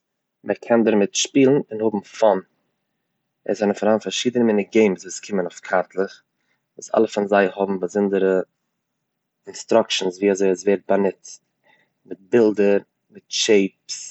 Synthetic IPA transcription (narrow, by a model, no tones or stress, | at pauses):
mʔəkʰɛndɪɾmɪtʃpiːlˠn̩ɪnhʊbm̩fɔn | ɛ̰zɛnəfaɾhaːnfaɾʃiːdənəmɪnəɡeɪmsvuːskʰɪmənaʊfkʰaɾtlˠəχ | vuːsa̰lˠəfanzaɪhʊbm̩bəzɪndəɾə | ɪnstɾʊkʃn̩sviːazoɪasveːɾt̚banɪt | mɪt̚bɪlˠdəɾ | mɪtʃeɪps